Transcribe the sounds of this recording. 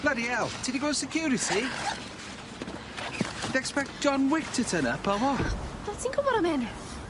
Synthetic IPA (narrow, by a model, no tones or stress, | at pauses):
lədiɛlˠtʰidiɡoːsɪkʰj̥uːɾɪtʰi | ðɛkspɛk̚t̚ʒ̥ɔnwɪk̚tʰətʰənəpʰɔlˠvɔðasinkʰʊvɔɾəmɛnɪθ